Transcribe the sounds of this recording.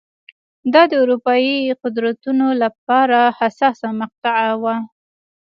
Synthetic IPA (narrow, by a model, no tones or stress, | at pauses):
d̪ɑd̪əʊɾupɑjiqʊd̪ɾat̪unolap̚ɑɾahasɑsamaq̚t̪aʕawa